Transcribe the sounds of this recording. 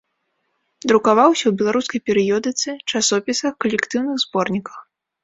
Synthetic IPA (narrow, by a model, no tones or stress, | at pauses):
d̪ɾukavawsʲɐwbʲɛlˠaɾuskɐjpʲɛɾɨjɔd̪ɨt̪sɨt͡ʂasɔpʲisɐxkɐlʲɛkt̪ɨwnɨɣzbɔrnʲikɐx